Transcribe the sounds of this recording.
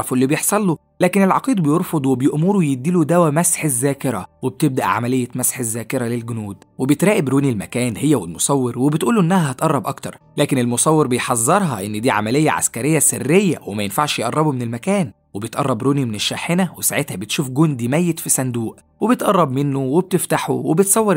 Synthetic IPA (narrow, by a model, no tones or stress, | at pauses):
ɑflːibejeħsˤɑlːo | læːkenelʕɑqiːd̪̚bejoɾˤfod̪ˤwebejoʔmoɾujed̪ːiːlud̪æwæmæsħezːæːkeɾɑweb̚t̪eb̚d̪æʔʕa̰mælejːæmæsħezːæːkeɾælelɡʊnuːd̪webet̪ɾæːʔebɾoːnilmækæːnhejːæwelmosˤɑwːeɾwebet̪ʔuːluʔenːæhæhɑt̪ʔɑrˤːɑbʔɑkt̪ɑɾˤlæːkenelmosˤɑwːeɾbejħɑzˤːɑɾˤɦɑʔenːd̪iːʕa̰mælejːæ̰ʕa̰skæɾejːæserːejːæ̰wemæjenfaʕʃjeʔɑrˤːɑbumenelmækæːn | webet̪ʔɑ̰rˤːɑbɾoːnimeneʃːaħenæwesaʕet̪hæbet̪ʃuːfɡond̪imæjːet̪fisænd̪uːʔ | webet̪ʔɑrˤːɑbmenːoweb̚t̪eft̪aħṵwebet̪sˤɑwːeɾ